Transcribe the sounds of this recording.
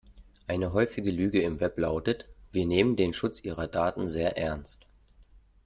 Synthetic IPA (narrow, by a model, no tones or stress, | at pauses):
ʔaɪnəɦɔʏfɪɡəlyːɡəɪmvɛplaʊtətv̥iːɐneːməndeːnʃʊt͡sʔiːʁɐdaːtn̩zeːɐʔɛɐnst